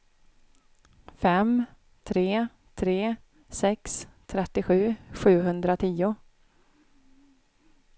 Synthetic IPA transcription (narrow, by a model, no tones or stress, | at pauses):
fɛm | t̪ʰɾeː | t̪ʰɾeː | sɛkst̪ʰɾɛt̪ːɪɧʉ̟ːɧʉ̟ːɦɵnd̪ɾat̪ʰiːʊ